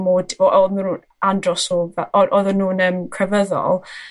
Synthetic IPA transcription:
moːdɔʔɔðmunuːn | andrɔsɔvɛɔʔɔðənːuːnəːmkʰrɛvəðɔ̰lˠ

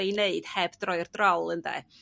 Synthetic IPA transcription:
eneɨd̥hɛbdrɔɨrdrɔlˠəndɛ̰

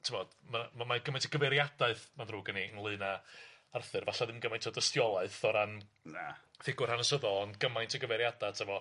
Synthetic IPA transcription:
tʰɪmɔd̥mamamaɡəmajntʰəɡ̥əvɛɾjadaɨθmaðruːɡəniənlˠɨːnaarθɨrvaɬaðɪmɡəmajntʰɔdəstjɔlˠaɨθɔɾannaθɪɡʊrhanəsəðɔnɡəmajntʰɔɡəvɛɾjadatʰɛvɔ

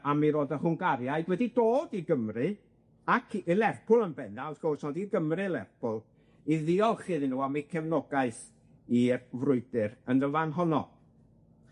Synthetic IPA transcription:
amiɾoːdəhʊŋɡaɾjaɨdwɛdidoːdiɡəmrɨ | akʰːlˠɛrpʰʊlˠənbɛnalðɡ̥ɔrsnɔdiɡəmrɨlˠɛrpʰʊlˠ | iðiɔlˠχɨðnuːamikʰɛvnɔɡaɨθ | irvrʊɨdɨɾəndəvanɦɔnɔ̰

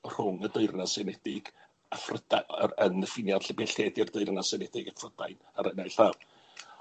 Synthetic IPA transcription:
r̥ʊŋədəɨrnasɛnɛdɪɡ | afrəd̥aənəfɪnjarɬəbɛɬɛdɪrdəɨrnasɛnɛdɪɡafrəd̥ajn | aɾənajɬav

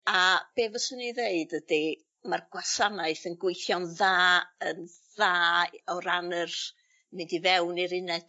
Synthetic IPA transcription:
ab̥eːvəsəniðeɨdədi | marɡwasanaɨθənɡwɪjθjɔnðaːən | ðaːɔɾanər | mɪndivɛwniɾɪnɛd̥

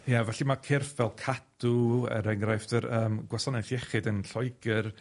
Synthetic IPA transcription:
javɛɬimakʰɪrfvɛlˠkʰaduə̰ɾɛŋrajftəɾəːmɡwasɔnɛθjɛχɨdənɬɔɨɡər

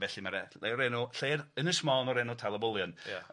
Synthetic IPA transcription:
vɛɬimaɾɛleɔɾɛnɔɬeːrənəsmɔnɔɾɛnɔtʰalˠəbʊlˠjɔnja

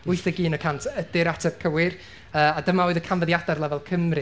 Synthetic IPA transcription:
ʊɨθəɡiːnəkʰantʰədɪɾatʰəb̥̚kʰəwɪr | əːadəmaɔɨðəkʰanvəðjadarlˠɛvɛlˠkʰəmrɨ

